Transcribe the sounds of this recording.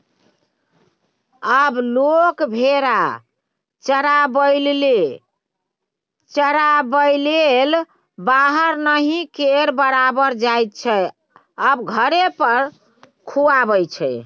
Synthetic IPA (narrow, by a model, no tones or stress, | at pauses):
əblokbʱeɾa | t͡ʃəɾabəjlle | t͡ʃəɾabəjlel | baɦəɾnəɦĩkeɾbəɾabəɾd͡ʒajt̪̚t͡ʃʰɛ | əbɡʱəɾepəɾ | kʰuabəjt͡ʃʰɛ